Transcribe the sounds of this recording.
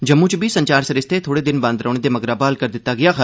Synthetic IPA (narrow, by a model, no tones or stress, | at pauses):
d͡ʒəmːũːt͡ʃbiːsəɲt͡ʃaːɾsəɾɪst̪eːt̪ʰoːɽeːd̪ɪnbãnd̪ɾəːɳ̃eːd̪eːməɡɾaːbaːlkəɾd̪ɪt̪ːaːɡɪjaːkʰə